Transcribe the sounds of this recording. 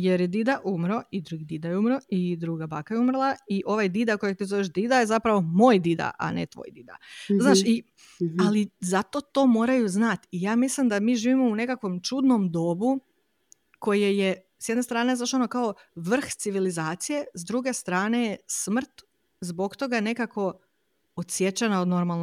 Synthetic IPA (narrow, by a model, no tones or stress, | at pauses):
je̞ɾjed̪id̪aʔumɾo̞id̪ɾuɡid̪id̪ajeumɾo̞id̪ɾuɡabakajeumrlˠaiʔo̞ʋajd̪id̪ako̞jat̪izo̞ʋeʒd̪id̪ajezapɾaʋo̞mo̞ːjd̪id̪a̰ʔa̰nḛt̪ʋo̰jd̪id̪a̰znaːʃi | alizat̪o̞t̪o̞ːmo̞ːɾajuznat̪ijaːmislimd̪amiːʒiːʋimo̞une̞kakʋo̞mt͡ʃud̪no̞md̪o̞bu | ko̞jeje | sjed̪nest̪ɾaːnezaʃonokao | ʋr̩xt̪siʋilizaːt̪sije̞zd̪ɾuɡe̞st̪ɾaːne̞jesmr̩t̪ | zbo̞kt̪o̞ɡane̞kako̞ | ot̪sje̞t͡ʃenaod̪no̞ɾmaln